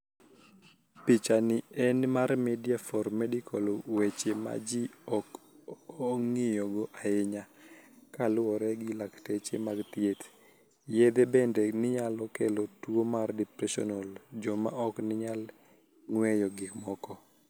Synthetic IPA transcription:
pit͡ʃanɪɛnmarmɛdijafɔɾmɛdɪkʰolwet͡ʃema̰d͡ʒiɔk | ɔŋɪjɔɡɔʔaɪɲakalʊɔɾɛɡɪlaktet͡ʃemaɡt̪ɪet̪ | jed̪ɛbɛndɛnɪɲalɔkɛlɔtwomardɛpɾɛʃɔ̰nold͡ʒɔma̰ʔɔknɪɲal | ŋwɛjɔɡɪkmɔkɔ

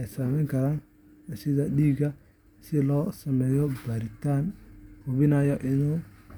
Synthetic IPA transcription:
ɛjsɐmɛjŋkʰɐɾaːn | sɪðɐɗiːɡɐ | sɪlɔːsɐmɛːjɔbɐɾɪt̪ʰaːnhʊβɪnaːjɔʔɪnuː

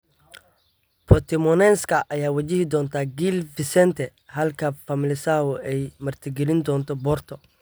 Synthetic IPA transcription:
pʰɔt̪ʰɛmɔnɛːnskʰɐʔɐjaːwɐt͡ʃɪhɪd̪ɔːnt̪ʰaːɡilvɪsɛnt̪ʰɛ | hɐlkʰɐfɐmɪlɪsaːwʊɛjmɐrt̪ʰɪɡɛlɪnd̪ɔːnt̪ʰɔbɔrt̪ʰɔ

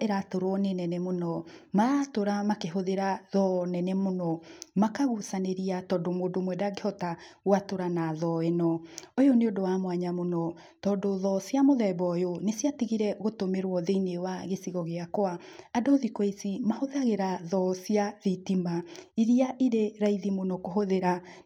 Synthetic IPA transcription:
eɾatoɾwɔnenɛnɛmonɔmaɾatoɾamakeɦoðeɾaðɔnɛnɛmonɔmakaɣusaneɾiatɔːdomoːdomwɛdaɣehɔtaɣwatoɾanaðɔenɔojoneodowamwaɲamonɔ | tɔːdoðɔsjamoðɛβɔjonesjatiɣiɾɛɣotomeɾwɔðeinewaɣesiɣɔɣeakwaadoðikweisimahoðaɣeɾaðɔsiaðitimaiɾiaʔiɾeɾaiðimonɔkoɦoðeɾa

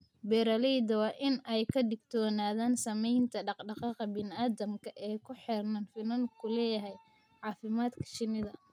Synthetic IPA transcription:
bɛɾɐlɛjd̪ɐwɑːʔɪnɛjkʰɐd̪ɪɡt̪ʰɔːnaːðaːnsɐmɛjnt̪ʰɐɖɑqɖɑqɑqɐbɪnɪaːðɐmkʰɐʔɛːkʰʊħɛrnɐnfɪnɐnkʰʊlɛːjɐɦɛj | ʕɑːfɪmaːd̪kʰɐ̥ʃɪnɪðɐ

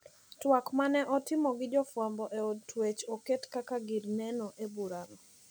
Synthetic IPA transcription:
twakmanɛʔɔtɪmɔɡɪd͡ʒɔfwambɔʔeotʰwet͡ʃoketkakaɡɪɾnɛnɔʔebuɾanɔ

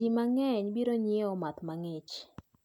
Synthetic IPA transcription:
imaŋɛɲbiɾoɲeɔmat̪maŋɪt͡ʃ

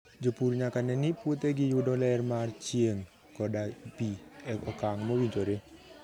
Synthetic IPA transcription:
d͡ʒopuɾɲakanɛniput̪ɛɡijudɔlɛrmart͡ʃieŋ | kɔdapiɛkɔkaŋmɔwiɲd͡ʒoɾe

